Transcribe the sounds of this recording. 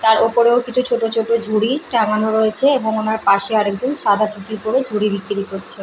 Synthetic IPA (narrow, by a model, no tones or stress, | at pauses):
t̪aɾopoɾeokit͡ɕʰut͡ɕʰoʈot͡ɕʰoʈod͡ʑʱuɽiʈaŋanoɾoet͡ɕʰeeboŋonaɾpaʃeaɾek̚d͡ʑonʃad̪ʱaʈuʈiɾpoɾed͡ʑʱuɽibikːiɾikoɾt͡ɕʰe